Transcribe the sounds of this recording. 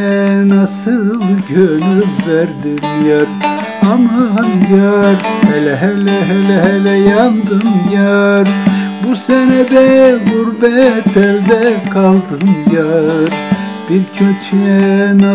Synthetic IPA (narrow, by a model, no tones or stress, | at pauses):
ɛnasɯlˠɟønyvæɾd̪imjaɾ | amaajaɾhɛlɛɦɛlɛɦɛlɛɦɛlɛjand̪ɯmjaɾbusɛnɛd̪ɛɡuɾbɛt̪ʰɛlʲd̪ɛkʰalˠd̪ɯmjaɾ | b̥iɾcʰøt͡ʃʰɛɛna